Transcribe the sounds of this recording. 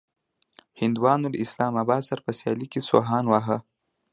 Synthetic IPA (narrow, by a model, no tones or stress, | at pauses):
hɪnd̪wɑnoləɪslɑmɑbɑd̪saɾpəsjɑ̰likeso̰ɦɑːnwaɦa